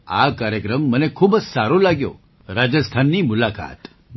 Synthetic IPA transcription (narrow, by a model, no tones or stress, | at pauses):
a̰kaɾjəkɾəmːənekʰuːbd͡ʒsaɾolaɡjo̰ | ɾad͡ʒəst̪ʰanːimʊlaka̰t̪